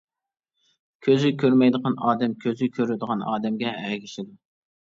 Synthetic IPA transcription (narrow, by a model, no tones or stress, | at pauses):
kʲʰøzykʲʰøɾmɛjd̪əqɑnɑːd̪ɛmkʲʰøzɪkʲʰøɾɪd̪əʁɑnɑ̰ːd̪ɛmɡʲɛɛɡʲiʃɪd̪u